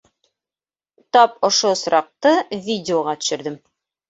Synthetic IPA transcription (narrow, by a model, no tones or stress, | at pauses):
t̪ɒp̚ŏʃosɾʔɑq̚t̪ɤvʲidʲɪoʁɑt̪ɵ̥̆ʃɘ̆ɾd̪ɘm